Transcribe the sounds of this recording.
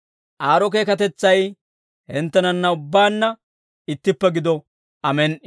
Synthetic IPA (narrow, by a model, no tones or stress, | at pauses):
ʔaːɾɔk̬e̞ːkɐt̪ɛt͡sːɐj | hɛnt̪ːɛnɐnːɐʊbːaːnːɐ | ɪt̪ːɪpːɛɡɪd̪ɔ | ʔɐmɛn